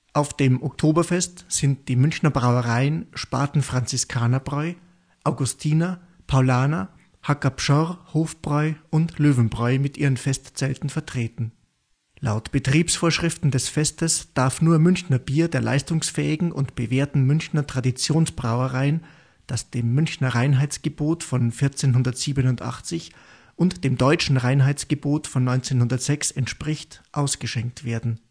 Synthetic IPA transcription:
ʔaʊfd̥eːmʔɔktʰoːbɐfɛstz̥ɪnt̚d̥iːmʏnçnɐbʁaʊəʁaɪənʃpa̰ːtn̩fʁ̥ant͡sɪskʰaːnɐbʁɔʏ | ʔaʊɡʊstʰiːna | pʰaʊlaːna | hakapʃɔʁhoːfb̥ʁɔʏʊntløːvn̩bʁɔʏmɪtʔiːʁənfɛstt͡sɛltn̩fɛɐtʁ̥eːtn̩ | la̰ʊtb̥ətʁ̥iːpsfoːɐʃʁ̥ɪftn̩dɛsfɛstəsd̥aɐfnuːɐmʏnçnɐbiːɐdeːɐla̰ɪstʊŋsfɛ̰ːɪɡŋ̩ʔʊ̰ntb̥əveːɐtn̩mʏnçnɐtʁ̥adit͡sjoːnsb̥ʁaʊəʁaɪn | d̥asd̥eːmːʏnçnɐʁaɪnɦaɪt͡sɡ̥əboːtfɔnfɪɐt͡seːnɦʊndɐtz̥iːbənʊntʔa̰χt͡sɪç | ʔʊntd̥eːmdɔʏt͡ʃn̩ʁaɪnɦaɪt͡sɡ̥əboːtfɔnːɔʏnt͡seːnhʊndɐtz̥ɛksɛntʃpʁ̥ɪçtʔaʊsɡ̥əʃɛŋk̚tv̥eːɐdn̩

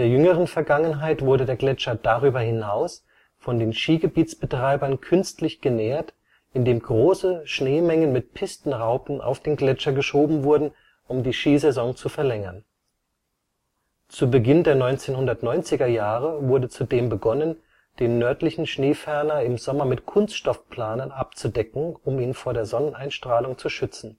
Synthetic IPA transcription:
deːɐjʏŋəʁ̞ənfɛɐɡaŋənɦaɪtv̥ʊɐdədeːɐɡlɛt͡ʃɐdaʁyːbɐhɪnaʊs | fɔndeːnʃiːɡəbiːt͡sb̥ətʁ̥aɪbɐnkʰʏnstlɪçɡ̥ənɛːɐt | ɪndeːmɡʁoːsəʃneːmɛŋənmɪt̚pʰɪstn̩ʁaʊpn̩ʔa̰ʊfd̥eːnɡlɛt͡ʃɐɡəʃoːbm̩vʊɐdn̩ | ʔʊmdiːʃiːzɛzɔŋt͡sufɛɐlɛŋɐn | t͡suːbəɡɪndeːɐnɔʏnt͡seːnɦʊndɐtnɔʏnt͡sɪɡɐjaːʁəvʊɐdət͡sudeːmbəɡɔnən | d̥eːnːœɐtlɪçn̩ʃneːfɛɐnɐɪmzɔmɐmɪtkʰʊnstʃtɔfpʰl̥aːnənap̚t͡sudɛkŋ̩ʊmiːnfoːɐɾeːɐzɔnənʔaɪnʃtʁ̥aːlʊŋt͡suʃʏt͡sn̩

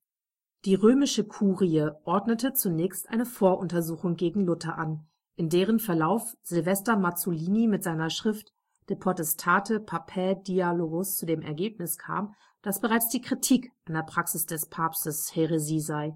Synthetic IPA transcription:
d̥iːʁøːmɪʃəkʰuːʁiəʔɔɐdnətət͡sunɛːçstʔa̰ɪnəfoːɐʔʊntɐzuːxʊŋɡeːɡŋ̩lʊtɐʔan | ʔɪndeːʁ̞ənfɛɐlaʊfz̥ɪlvɛstɐmat͡soliːnimɪtz̥aɪnɐʃʁ̥ɪft | d̥epʁotɛstʰaːtʰəpʰapʰɛːdialoːɡʊst͡sudeːmʔɛ̰ɐɡeːpnɪskʰa̰ːm | d̥asb̥əʁaɪt͡sd̥iːkʁ̥itʰiːkʔʔandeɐpʁ̥aksɪsd̥ɛspʰaːpstəsheʁeziːzaɪ

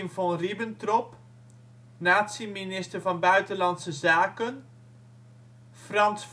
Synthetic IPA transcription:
mvɔnribəntrɔp | naːtsiminɪstərvɑnbœɥtəlɑntsəzaːkən | frɑnsf

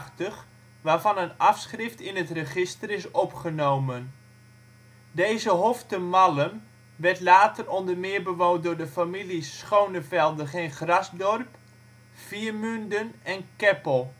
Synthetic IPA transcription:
təχ | ʋaːrvɑnənɑfsχrɪftɪnətrəχɪstərɪsɔpχənowmən | dejzəɦoftəmɑlən | ʋɛɹtlaːtərɔndərmɪːɹbəʋowt̚dʊːɹdəfamilisːχownəvɛlˠdəχeːnχrɑzdɔrp | fiərmyndənɛnkɛpəlˠ

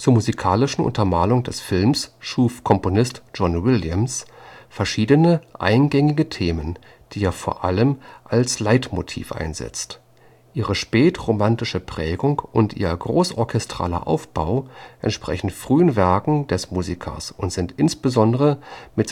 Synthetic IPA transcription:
t͡suːɐmuzikʰaːlɪʃn̩ʔʊ̰ntɐmaːlʊŋdɛsfɪlmsʃuːfkʰɔmponɪstʒ̥ɔnwɪljəmsfɛɐʃiːdənəʔa̰ɪnɡɛŋɪɡətʰeːmən | d̥iːaːfoːɐʔa̰ləmʔalslaɪtmo̰tʰḭːfʔa̰ɪnzɛ̰t͡st | ʔiːʁəʃpɛːtʁomantɪʃəpʁ̥ɛːɡʊŋkʔʊntʔḭːɐɡʁoːsʔɔɐkʰɛstʁ̥a̰ːlɐ̰ʔa̰ʊfb̥aʊʔɛntʃpʁ̥ɛ̰çn̩tfʁ̥yːənvɛɐkŋ̩d̥ɛsmuːzikʰɐ̰sʔʊntz̥ɪntʔɪnsb̥əzɔndəʁəmɪt

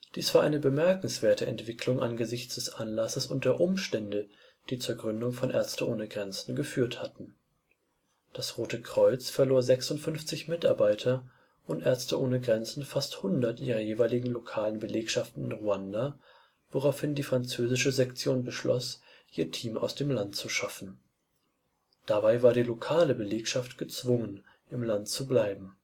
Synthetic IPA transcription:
d̥iːsv̥aɐʔa̰ɪnəbəmɛɐkŋ̩sv̥eːɐtəɛ̰ntv̥ɪkʰlʊŋʔanɡəzɪçt͡sd̥ɛsʔanlasəsʊnt̚d̥eːɐʔʊmʃtɛndə | d̥iːt͡suːɐɡʁʏndʊŋfɔnʔɛ̰ɐt͡stəʔoːnəɡʁɛnt͡sn̩ɡəfyːɐthatn̩ | d̥asʁoːtəkʁ̥ɔʏt͡sfɛɐloːɐzɛksʊntfʏnft͡sɪçmɪtʔaɐbaɪtʰɐ | ʔʊntʔɛɐt͡stəʔoːnəɡʁɛnt͡sn̩fasthʊndɐtʔiːʁɐjeːvaɪlɪɡŋ̩lokʰaːlənbəleːkʃaftn̩ɪnʁuanda | voʁaʊfhɪndiːfʁ̥ant͡søːzɪʃəzɛkt͡sjoːnbəʃlɔ̰s | ʔiːɐtʰiːmʔaʊsd̥eːmlantt͡suʃafn̩ | d̥abaɪvaːɐɾiːlokʰaːləbəleːkʃaftɡ̥ət͡sv̥ʊŋən | ʔɪmlantt͡sublaɪbm̩

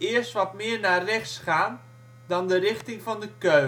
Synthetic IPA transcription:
ɪərstʋɔtmɪərnarɛxsχaːn | dɔndəɾɪxtɪŋfɔndəkø

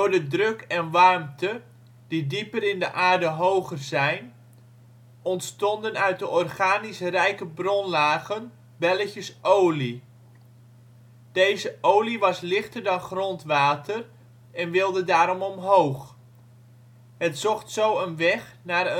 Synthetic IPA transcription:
dʊɹdədrɵkɛnʋɑrmtə | d̥idipəɾɪndəʔaːɹdəɦowχərzɛjn | ɔntstɔndənœɥt̚dəʔɔrχaːnisrɛjkəbrɔnlaːɣən | bɛləçəsʔowli | d̥ejzəʔowliʋɑslɪχtərdɑnχrɔntʋaːtər | ɛnʋɪlˠdədaːɾɔmɔmɦowχ | ɦətsɔχtsowənʋɛχnaːrə

